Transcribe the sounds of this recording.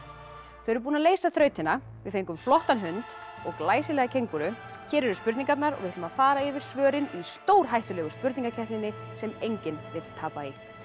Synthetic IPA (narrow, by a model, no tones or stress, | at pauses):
θœɛɾpuːnaleːjsaθɾœːɥt̪ɪnːa | vɪðfejŋkʏmflɔht̪anɦʏnt̪ɔɣlaːjsɪlɛːɣacʰejŋkʏɾʏ | çɛːɾɛɾʏspʏɾt̪iŋkat̪naɾɔ̰ɣvɪht̪ːmaðfaːɾaɪvɪɾ̥svœːɾɪnist̪oːwɾ̥ɦajht̪ʏlɛːɣʏspʏɾt̪niŋkacʰɛht̪nɪnːɪ | sɛmejɲcɪnvɪð̥t̪ʰaːpai